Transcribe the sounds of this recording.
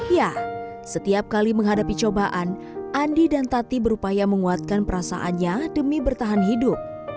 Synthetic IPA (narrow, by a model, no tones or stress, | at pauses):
ja | sət̪iap̚kaliməŋɦadapit͡ʃobaʔan | ʔandidant̪at̪ibəɾupajaməŋuat̪̚kanpəɾasa̰ʔanɲadəmibərt̪aɦanɦidʊp̚